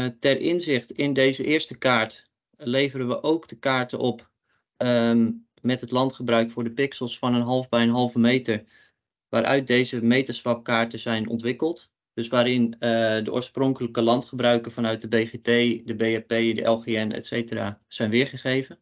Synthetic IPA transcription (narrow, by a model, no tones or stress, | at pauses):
tɛrʔɪnzɪχtɪndejzəʔɪːɹstəkaːɹt | lejvərənʋəʔowkd̥əkaːɹtənʔɔp | mɛtɦətlɑntχəbrœɥkfʊːɹdəpɪksəlˠsfɑnənɦɑlˠvbɛjənɦɑlˠvəmejtəɹ | ʋaːɾʔœ̰ɥt̚dejzəmejtəsχɑp̚kaːɹtəz̥ɛjnʔɔ̰ntʋɪkəlˠt | d̥ɵsʋaːɾɪndəʔo̰ːɹsprɔŋkələkəlɑntχəbrœɥkəfɑnœɥt̚dəbejχetejdəbeɛpejdəʔɛlˠχeɛnɛ̰tsejtəra̰ːz̥ɛjnʋɪːɹχəχejvən